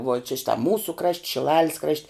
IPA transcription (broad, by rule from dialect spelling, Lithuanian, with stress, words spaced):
ʋuɔ t͡ʃʲɛ ˈʃʲɪtɐ ˈmuːsʊ krɐʃʲtʲ ʃʲɪˈlˠɑːlʲɪs krɐʃʲtʲ